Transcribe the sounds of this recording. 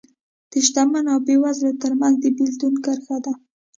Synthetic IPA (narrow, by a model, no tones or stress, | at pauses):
d̪̥əʃt̪amanɑbewazlat̪əɾmanzd̪əbild̪unkəɾxad̪a